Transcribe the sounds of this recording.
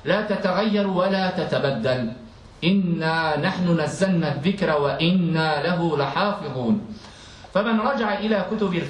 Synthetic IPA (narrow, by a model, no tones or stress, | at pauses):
laːt̪at̪aɣajːɑɾˤwalaːt̪at̪abad̪ːal | ʔɪnːaːnaħnʊnazːalnːaðːɪkɾˤawaʔɪnːaːlaɦʊlɪħɑːfɨðˤuːn | famanɾˤɑd͡ʒaʕaʔɪlaːkʊt̪ʊbɪl